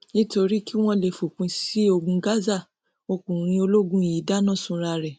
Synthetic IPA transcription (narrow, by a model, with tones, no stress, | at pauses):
nĩ˦to˧ɾi˦ki˦w̃ɔ̃˦le˧fu˨kũ˨˦ssi˦o˧ɡũ˧ɡa˦za˦˨ | o˧kũ˨ɾ̃ĩ˧o˧lo˦ɡũ˦i˨ji˨˦da˦nã˦˨sũ˧ɾa˧ɾɛ˨